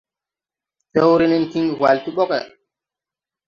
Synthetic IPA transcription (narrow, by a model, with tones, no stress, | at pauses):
te˦wɾi˦ni˦nki˦ŋɡwa˨lti˦ɓɔ˦kɛ˨